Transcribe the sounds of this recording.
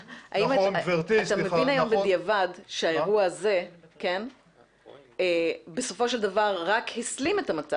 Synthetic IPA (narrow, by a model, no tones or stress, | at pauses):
ʔa̰imvet̪at̪amevinajo̞mbed̪ijavadʃeaeʁuaːze̞ke̞n | ebeso̞fo̞ʃeld̪avaʁʁakhislimet̪amat͡sa